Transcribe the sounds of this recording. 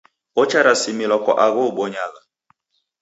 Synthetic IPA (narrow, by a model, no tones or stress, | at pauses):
ɔt͡ʃaɾasimilɔkɔʔaɣɔɓɔɲaɣa